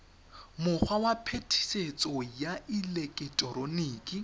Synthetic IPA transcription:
mʊχʰwawapʰetʰi̥set͡sʼɔjaʔilekʼɪtʼɔɾoneːkʼi

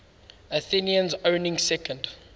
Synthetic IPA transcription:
əθiniə̃nzõʊnɪ̃ŋsɛkə̃nd

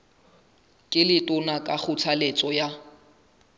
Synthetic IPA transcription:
kʼɪlɪtʼʊnakʼak͡xʰʊt͡sʰalet͡sʼɔja

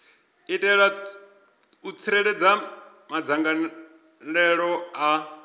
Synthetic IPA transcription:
itʼɛɺa | ut͡sʰiɾɛɺɛd͡za | mad͡zaŋɡa | ɺɛɺɔa

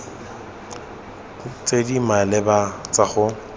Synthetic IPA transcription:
t͡sʼedimalɪbat͡saχʊ

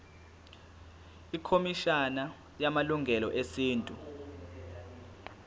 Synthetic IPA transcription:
ikʰomiʃana | jamaluŋɡʱɛlɔ̰ʔesiːntʼu

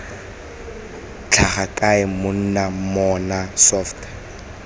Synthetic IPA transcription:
t͡ɬʰaχakʼaɪmʊn̩namɔnasɔftː

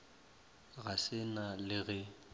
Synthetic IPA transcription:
ɣasɪnalɪɣɛ

